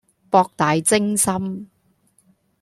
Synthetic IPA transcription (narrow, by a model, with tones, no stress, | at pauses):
pɔː˧k̚t̪aː˨jt͡sɪ˥ŋsɐ˥m